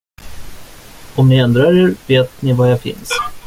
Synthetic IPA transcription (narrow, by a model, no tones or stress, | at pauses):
ɔmnɪɛnd̪ɾaɾeːɾveːt̪̚nɪvajafɪ̰ns